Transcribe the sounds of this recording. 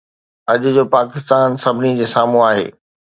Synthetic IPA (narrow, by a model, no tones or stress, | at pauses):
ɐʄʊd͡ʑoːpaːkɪst̪aːnsɐbʱɪnid͡ʑeːsaːm̤ũaːɦḛː